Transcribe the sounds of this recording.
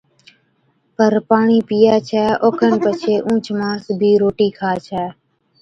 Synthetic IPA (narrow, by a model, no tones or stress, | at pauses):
pəɾpaːɳiːpijaːt͡ʃʰɛːʔoːkʰənpət͡ʃʰeːʔũːt͡ʃʰmãːsbʱiːɾoːʈiːkʰaːt͡ʃʰɛː